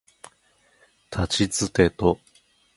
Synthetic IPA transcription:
t̪ʰat͡ɕit͡sɨt̪e̞t̪o

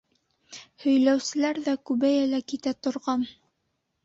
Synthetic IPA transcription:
hɵ̆jlæwsɘ̆læɾðækʉβæjælækit̪æt̪ŏɾʁɑn

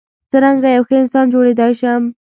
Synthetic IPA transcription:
t͡səɾaŋɡajawxəɪnsɑnd͡ʒoɽed̪ɑjʃam

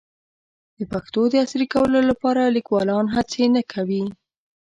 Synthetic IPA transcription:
d̪̥əpaxt̪od̪əasɾikawəlolapɑɾalikwɑlɑnɦat͡senakʰawi

